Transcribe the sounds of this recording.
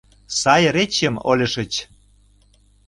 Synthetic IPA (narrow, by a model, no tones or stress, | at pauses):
sɑjɾet͡ɕəmolʲə̆ʃə̆t͡ɕ